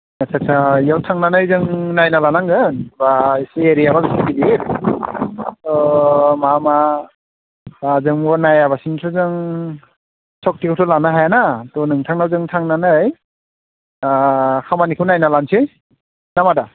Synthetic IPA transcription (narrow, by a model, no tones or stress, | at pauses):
nasʰak̚sʰajawtʰaŋnanɯjzɯŋnajnalanaŋɡɯnbaseɾijababisibidiɾ | tɔmama | bazɯŋbɔnajabasintʰɔzɯŋ | sɔk̚tikʰawtʰɔlanaɦajanatɔnɯŋtʰaŋnawzɯŋtʰaŋnanɯj | ahʰamanikʰɯwnajnalansʰej | namada